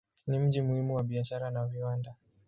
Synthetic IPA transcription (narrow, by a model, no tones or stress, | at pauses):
nim̩ʄimuhimuwaɓiaʃaɾanaviwanda